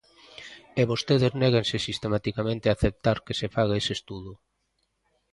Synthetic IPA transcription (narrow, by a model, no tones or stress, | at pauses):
eβost̪eðeznɛɣensɪsist̪emat̪ikamẽnt̪ɪaθep̚t̪aɾkesefaɣaesest̪uðʊ